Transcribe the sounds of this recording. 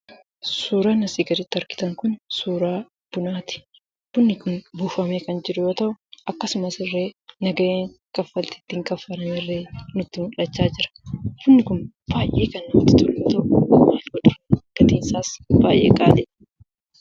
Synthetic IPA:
suːɾanɐsiːɡɐɾɪt̪ːɐɾkɪ̥t̪ɐŋkʊnsuːɾaː | b̥ʊnaːt̪ɪ̥ | bʊnːɪkʊnbuːfɐmeːkɐnd͡ʒɪɾʊjoːt̪ɐʔʊʔɐkːɐsʊmɐsɪrːe̞ːnɐɡɐʔeːŋkʼɐfːɐlt̪ɪ̥t̪ːɪŋkʼɐfːɐlɐmɪrːeːnʊt̪ːɪmʊᶑɐt͡ʃːaːd͡ʒɪɾɐ̥hʊnːɪkʊn | b̥aːjʔeːkɐnːt̪ːɪt̪ʊlːjoːt̪ɐʔʊmaːlɡɔᶑ̪ɾɐɡ̥ɐt̪iːnsaːsbaːjʔḛːkʼaːᶑ̪ɛ

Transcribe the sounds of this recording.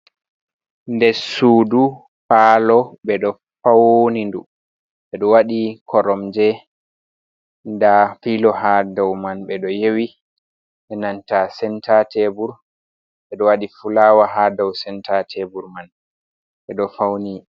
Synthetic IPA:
ndɛɾsuːdu | faːlɔɓɛɗɔ | fawnindu | ɓɛɗɔwaɗikʰɔɾɔmd͡ʒɛ | ndafilɔɦadawmanɓɛɗɔjewi | ɓɛnantasɛntatʰɛbuɾ | ɓɛɗɔwaɗifulawaɦadawsɛntʰatʰɛbuɾman | ɓɛɗɔfawni

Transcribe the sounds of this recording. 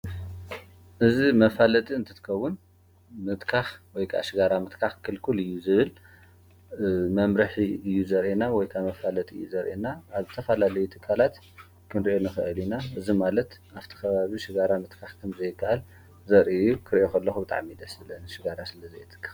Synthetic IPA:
ʔɨzimɐfalɐt̪ʼiɨnt̪ʰɨt̪ʰɨ̥kʰɐwʊn | mɨt̪kʰaxwɔjkʰa̰ʔʃɪɡaɾamɨt̪kʰaxkʰɨlkʰulɨjːuzɨβɨl | mɐmɾɐħiɨjːuzɐɾʔenawɔjkʰamɐfalɐt̪ʼiɨjːuzɐɾʔenaʔːβzɨt̪ʰɐfɐlalɐjut̪ʰɨkʰːalat̪ | kʰɨnɾiʔonɨxɨʔɨlinaʔɨzimalɐt̪ʔaβt̪ʰi̥kʰɐβaβiʃɪɡaɾamɨt̪kʰaxkʰɐmzɐjɪkʰːaʔal | zɐɾʔijukʰɨɾiʔokʰɐlːɐxubɨt̪ʼa̰ʕmid̪ɐsɨlɐnʃɪɡaɾasɨlɐzɐjt̪ʰɨ̥kʰːḁx

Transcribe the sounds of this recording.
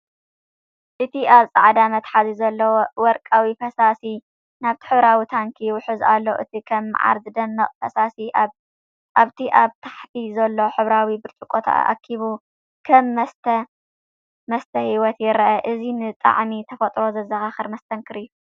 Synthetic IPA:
ʔɨt̪ʰiʔaβsʼa̰ʕd̪amɐt̪ħazizɐlːɐwowɔɾkʼawifɐsasi | naβt̪ʰi̥ħɨβɾawit̪ʰaŋkʰiwʊħɨza̰lːoʔɨ̰t̪ʰikʰɐm̰ːʕa̰ɾd̪ɨd̪ɐmːɐχʼfɐsasi | aβt̪ʰiʔaβt̪ʰḁħt̪ʰizɐlːoħɨβɾawibɨɾt͡ʃʼukʼot̪ʰa̰ʔa̰kʰːiβu | kʰɐmːɐst̪ʰɐ | mɐst̪ʰɐhiwɔt̪jɪɾɐʔɐʔɨzinɨt̪ʼa̰ʕmit̪ʰɐfɐt̪ʼɾo̞zɐzɐɣaxɨɾmɐst̪ʰɐŋkʰɨɾɨjːu

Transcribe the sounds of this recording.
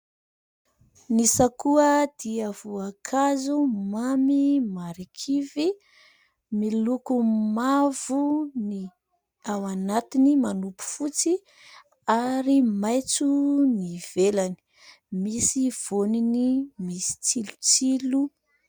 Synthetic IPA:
nisakuəd̪̥iav̥uakʰazumamimaɾikʰivi | milukumavuni | awanat̪inimanupu̥fut͡si | aɾimajt͡suniv̥elani̥ | misiv̥oninimisi̥t͡silut͡silu

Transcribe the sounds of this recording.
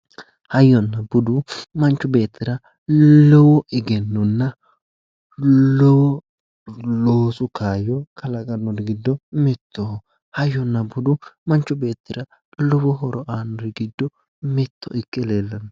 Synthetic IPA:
hɐjːɔnːɐbʊd̪ʊmɐnt͡ʃːʊbe̞ːt̪ːɪɾɐ | lɔwɔʔɪɡɛnːɔnːɐ | lɔwɔ | loːsʊkaːjɔkʰɐlɐkʼɐnːɔd̪ɛɡɪd̪ːɔmɪt̪ʰːo | hɐjːɔnːɐbʊd̪ʊmɐnt͡ʃːʊbe̞ːt̪ːɪɾɐ | lɔwɔɦɔɾɔʔaːnːɔdɪɡɪd̪ːɔ | mɪt̪ʰːɔ̰ʔɪkʼːɪleːlːɐn

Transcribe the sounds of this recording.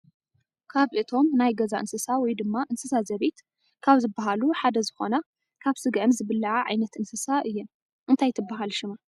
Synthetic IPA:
kʰaβʔɨt̪ʰo̞mnajɡɐzaʔɨnsɨsawɔjd̪ɨmːaʔɨnsɨsazɐβet̪ | kʰaβzɨbːaɦaluħad̪ɐzɨxo̞̰na | kʰaβsɨɡʔɨmzɨβɨlːɐʕaʕa̰jnɐt̪ɨnsɨsaʔɨjːɛm | ʔɨnt̪ʰajt̪ʰɨbːaɦalʃɪma

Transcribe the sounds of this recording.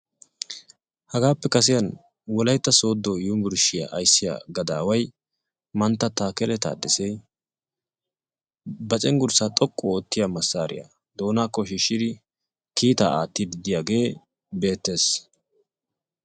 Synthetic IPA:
hɐɡaːpːɛkɐs̬ɪjɐn | wɔlɐjt̪ːɐso̞ːd̪ːɔjuːmbʊɾʃɪja̰ʔɐjsːɪja̰ɡɐd̪aːwɐj | mɐnt̪ːɐt̪aːkɛlɛt̪a̰ːd̪ːɪsɛj | bɐt͡ʃʼɛŋɡʊɾsat̪ʼɔkʼːɔoːt̪ːɪjamɐsːaːɾɪ̰ja̰ | d̪o̞ːnaːkːɔʃɪʃːɪd̪ɪ | kiːt̪a̰ːaːt̪ːid̪ɪd̪ɪjaːɡe̞ː | be̞ːt̪ːe̞ːs

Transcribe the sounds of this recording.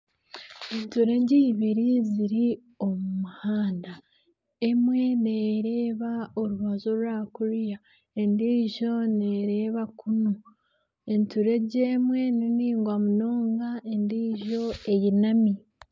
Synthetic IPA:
entuɾe̞ɟiːβiɾiziɾi | o̞mumuhaːnda | e̞mwe̞neːɾeːβao̞ɾuβazoɾuaːkuɾja | endiːʒo̞ne̞ɾe̞ːβakuno | entuɾe̞ɟeːmwe̞niniːŋɡwamuno̞ːŋɡaendiːʒo̞e̞jinami

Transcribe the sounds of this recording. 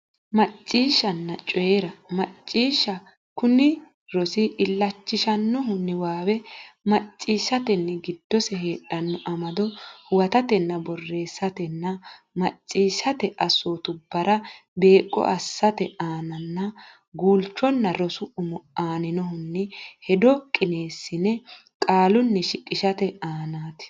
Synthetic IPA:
mɐt͡ʃʼːiːʃːɐnːɐt͡ʃʼɔjeɾɐmɐt͡ʃʼːiːʃːɐ | kʊnɪ | ɾɔsɪʔɪlːɐt͡ʃːɪʃɐnːɔɦʊnːɪwaːwɛmɐt͡ʃʼːiːʃɐt̪ɛnːɛɡɪd̪̥ːɔsɛɦeːᶑːɐnːɔʔɐmɐd̪ɔhʊwɐt̪ɐt̪ɛnːɐbɔrːe̞ːsːɐt̪ɛnːɐ | mɐt͡ʃʼːiːʃɐt̪ɛʔɐsoːt̪ʊbːɐɾɐbe̞ːkʼːɔ̰ʔɐsːɐt̪ɛaːnɐnːɐ | ɡuːlt͡ʃːɔnːɐɾɔsʊʊmɔaːnɪnɔɦʊnːɛhɛd̪ɔkʼɪne̞ːsːɪnɛ | kʼaːlʊnːɛʃɪkʼːɪʃɐt̪ɛaːnaːt̪ɪ̥

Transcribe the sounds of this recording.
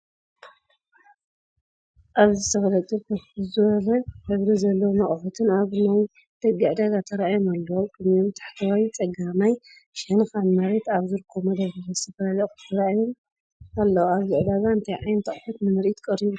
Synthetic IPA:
ʔaβzɨt̪ʰɐfɐlɐt̪ʼɨβkʰɐɨzɨβɐlɐħɨβɾizɐlːɐwmɐχʼħut̪ʰɨnaβnaj | d̪̥ɐɡiʕd̪ɐɡat̪ʰɐɾaʔajumalːɐwkʰʼɨnomt̪ʰḁħt̪ʰawawjt͡sʼɐɡamaj | ʃɐnxanmaɾet̪aβzɨɾkʰːomɐd̪ɐβɨmɐsɐfɐalɐt̪ʰɐɾajom | alːɐwaβzɨʕd̪azaɨnt̪ʰɐjʕajnt̪ʰɐχʼħut̪nɨmɨɾʔit̪kʼɐɾiβu

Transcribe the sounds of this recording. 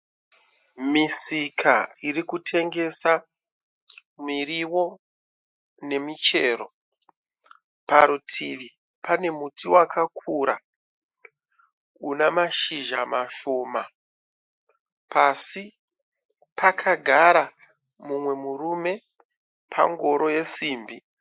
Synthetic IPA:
misikʰairikutʰe̞ŋɡe̞sa | miriwo̞ | ne̞mit͡ʃe̞ːro̞ | paɾutʰiʋi | pane̞mutiwakʰakʰuɾa | unamaʃiʒamaʃo̞ːma | pasi | pakʰaɡʱaɾa | mumwe̞murume̞ | pʰa̰ŋɡo̞ɾo̞je̞siːmbi

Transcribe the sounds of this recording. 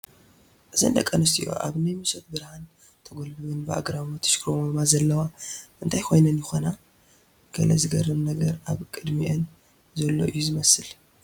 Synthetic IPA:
ʔɨzɨ̰nd̪ɐkʼːɐnɨst̪ḭʔo̞̰ʔa̰βnɨmɨsot̪̚bɨɾhan | t̪ʰɐɡolbɨβɨnbɨa̰ɡɾamot̪ʰɐ̥ʃkʰɾomɐmazɐlːɐwaʔɨnt̪ʰajkʰo̞jnɐnjɪxona | ɡ̥ɐlɐzɨɡɐrːɨmnɐɡɐɾʔaβkʼɨd̪miʔɨn | zɐlːoʔɨjːuzɨmɐsɨl

